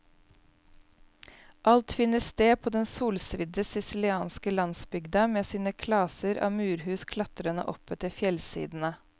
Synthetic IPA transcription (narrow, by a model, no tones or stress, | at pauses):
ʔɑlt̪fɪnəst̪eːpʰoːd̪ɛnsuːlsʋɪd̪əsɪsɪlɪɑːnskəlɑnsbʏɡd̪ɑmeːsiːnəkʰlɑːsəɾɑ̰ːmʉːɾhʉːskʰlɑt̪ɾənə̰ʔɔpət̪əfjɛlsḭːd̪n̩ə